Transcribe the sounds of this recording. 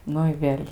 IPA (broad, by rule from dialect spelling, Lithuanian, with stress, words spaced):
ˈnʊ ɪ ˈʋʲeːlʲ